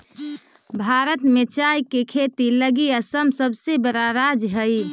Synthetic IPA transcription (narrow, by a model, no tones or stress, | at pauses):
bʱaɾət̪met͡ʃajkekʰet̪iləɡiəsəmsəbsebəɾaɾad͡ʒɦəj